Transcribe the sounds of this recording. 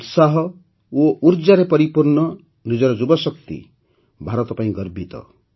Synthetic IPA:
ut̪saɦɔ | oʔuɾd͡ʒaɾepɔɾipuɾnɔ | nid͡ʒɔɾɔd͡ʒubɔsɔk̚t̪ḭ | bʱaɾɔt̪ɔpaĩɡɔɾbʱit̪ɔ̰

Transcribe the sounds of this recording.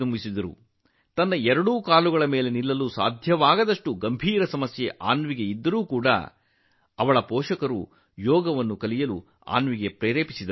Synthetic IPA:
umbisid̪ɐɾṵ | t̪ɐnːɐɛɾɐɽuːkaːluɡɐɭɐmeːle̞nilːɐluːsa̰ːd̪ʱjɐʋaːɡɐd̪ɐʂʈuɡɐmbʱiːɾɐsɐmɐsjeʔa̰ːnʋiɡe̞id̪ːɐɾuːkuːɽɐ̰ | ɐʋɐɭɐpɔːʃɐkɐɾu | jɔːɡɐʋɐnːukɐlijɐlu | a̰ːnʋiɡe̞pɾɛːɾeːpisid̪ɐ

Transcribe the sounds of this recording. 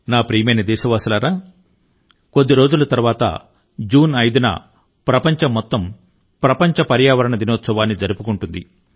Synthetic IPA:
naːpɾiːjɐmɐjnɐd̪ɛːʃɐʋaːsulaːɾaː | ko̞d̪ːiɾo̞ːd͡ʒulɐt̪ɐɾʋaːt̪ɐ̰ | d͡ʒuːnɐjd̪unɐ̰ | pɾɐpɐɲt͡ʃɐmːɔt̪ːɐm | pɾɐpɐɲt͡ʃɐpɐɾjaːʋɐɾɐɳɐd̪inoːt̪sɐʋaːnːid͡ʒɐɾupukuɳʈund̪i

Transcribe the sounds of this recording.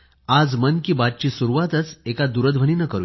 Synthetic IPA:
ad͡zmənkiːbat̪̚t͡ɕiːsuɾuʋat̪ət͡sekad̪uɾəd̪ʋʱəniːnəkəɾu

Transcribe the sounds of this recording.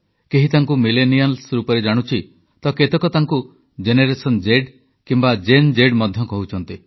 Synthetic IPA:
keɦit̪aŋkumilenialsɾupɔɾed͡ʒaɽ̃ut͡ʃʰi | t̪ɔket̪ɔkɔt̪aŋku | d͡ʒeneɾesɔnd͡ʒeɖ | kimbad͡ʒend͡ʒeɖmɔd̪ʱjɔkɔɦut͡ʃʰɔnt̪i

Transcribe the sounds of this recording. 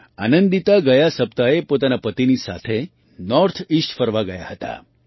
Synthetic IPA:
a̰nənd̪it̪aɡəjasəp̚t̪aepot̪anapət̪inisa̰t̪ʰe | nɔɾt̪ʰisʈfəɾʋaɡəja̰ɦət̪a̰

